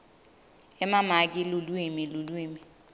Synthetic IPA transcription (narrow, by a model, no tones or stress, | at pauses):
ɛmamak̬ɪlulwimilulwiːmi